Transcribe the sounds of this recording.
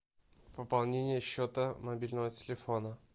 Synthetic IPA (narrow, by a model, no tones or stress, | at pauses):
vɨpɐlˠnʲenʲɪjəɕːot̪əmɐbʲilʲnəvətʲɪlʲɪfo̞nə